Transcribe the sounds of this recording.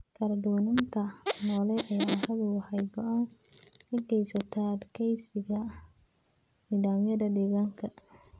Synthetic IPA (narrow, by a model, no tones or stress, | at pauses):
kʰɐɾɐɖ̪uːnɪnt̪ʰɐnɔːlɛʔɐjaːhɐðʊwɑħɑjɡɔʔankʰɐɡɛjsɐt̪ʰɐd̪kʰɛjsɪɣɐ | niːðaːmjɐðɐd̪ɛːɣaːŋkʰɐ